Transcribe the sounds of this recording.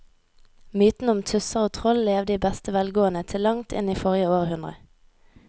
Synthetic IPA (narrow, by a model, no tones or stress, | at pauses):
myːt̪n̩ʊmt̪ʰʉsəʁoːt̪ʰʁɔlleːʋd̪iːbɛst̪əʋɛlɡoːənət̪ʰɪlːɑŋt̪ʰɪ̰niːfɔʁjəoːʁhʉnʁə̰